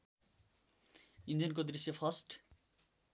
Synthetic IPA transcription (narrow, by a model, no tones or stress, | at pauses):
ind͡ʒʌnkod̪risjʌpʰʌsʈ